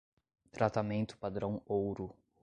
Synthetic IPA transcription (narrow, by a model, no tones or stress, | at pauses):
t̪ɾat̪amẽnt̪ʊ̥pad̪ɾɐ̃w̃owɾʊ